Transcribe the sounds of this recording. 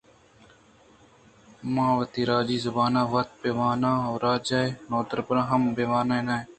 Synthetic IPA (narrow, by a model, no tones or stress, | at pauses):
mãːʋət̪iːɾaːd͡ʒiːzʊbaːnãːʋət̪̚peːʋaːnãːoːɾaːd͡ʒaːenoːd̪əɾbɾãːɦəmbeːʋaːnaːẽːnaːeː